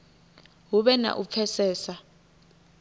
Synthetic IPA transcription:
ɦuɓɛna̰ʔup̪fʰɛsɛːsa

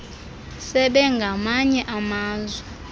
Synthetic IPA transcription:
sɛɓɛŋɡʱamaɲɛʔamaːzwɛ

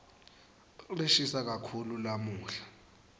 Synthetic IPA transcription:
reʃisak̬ʼakʰululamuːɬḁ

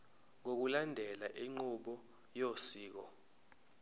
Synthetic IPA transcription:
ŋok̬ulandʱɛlaʔiŋ͡ǃuɓɔ | josiːk̬ɔ

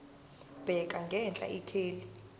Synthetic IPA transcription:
b̥ʱɛk̬ʼaŋɡʱɛnt͡ɬʼa̰ikʰeːli

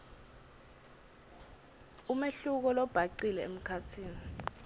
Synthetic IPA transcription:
umeɬuk̬ɔlɔb̥ʱaǀilɛem̩kʰatʰiːni

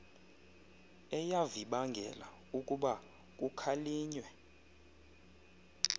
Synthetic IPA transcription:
ɛjaviɓaŋɡʱɛ̰la̰ | ukʼuɓa | k̬ʼukʰaliːɲwɛ

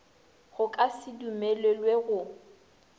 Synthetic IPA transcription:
ɣʊkʼasɪdumelwelweɣʊ

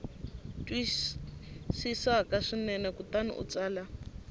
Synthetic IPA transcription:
tʼwi | sisakaʂinɛnɛkutanḭʔṵt͡saːla

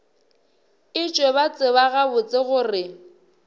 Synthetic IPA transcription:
ɪt͡ʃʼweβat͡sʼɪβaɣabʊt͡sʼɪɣʊrɪ

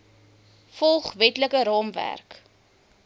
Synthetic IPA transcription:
fɔlˠχvɛtləkəɾɑːmvæ̰rk

